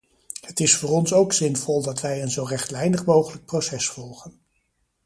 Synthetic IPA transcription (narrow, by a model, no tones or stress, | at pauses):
hətɪsfʊːrɔnsowksɪnvɔlˠdɑtʋɛjənzowrɛχtlɛjnəχmowχələk̚prosɛsfɔlˠχən